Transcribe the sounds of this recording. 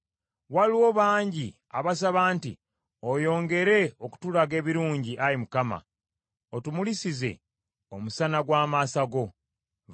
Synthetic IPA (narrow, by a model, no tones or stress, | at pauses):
waliwo̞βaːɲɟi | aβas̬aβaːntḭ | ojo̞ːŋɡe̞ɾe̞oku̥tulaɡe̞ːβiɾuːɲɟiʔaɾimukama̰ | otumulisize̞̰ | omusanaɡwaːmaːsaɡo̞